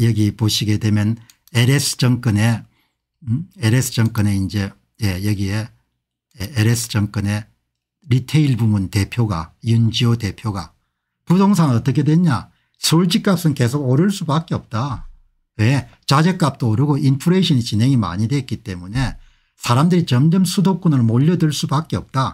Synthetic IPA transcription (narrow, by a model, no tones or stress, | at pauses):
jʌɡipoɕʰiɡe̞de̞mjʌn | eɾesʰɯ̥t͡ɕʌŋk͈ɯne̞ | eɾesʰɯ̥t͡ɕʌŋk͈ʌneind͡ʑe̞ | jejʌɡie | jeeɾesʰɯ̥t͡ɕʌŋk͈ɯne̞ | ɾitʰeiɭbubunte̞pʰjoɡa̰jund͡ʑiote̞pʰjoɡa̰ | kudoŋsʰanɯnʌt͈ʌkʰe̞dwe̞ɲa | sʰouɭt͡ɕ͈ik͈ap̚s͈ɯnke̞sʰoɡoɾɯɭs͈ubak͈eʌp̚t͈a | we | t͡ɕad͡ʑek͈̚ap̚t͈ooɾɯɡoinpʰuɾeɕʰʌnit͡ɕinɦe̞ŋima̰ɲidwe̞t̚k͈it͈e̞mune̞ | sʰaɾamdɯɾit͡ɕʌmd͡ʑʌmsʰudok͈onɯɭmoʎːʌdɯɭs͈ubak͈eʌp̚t͈a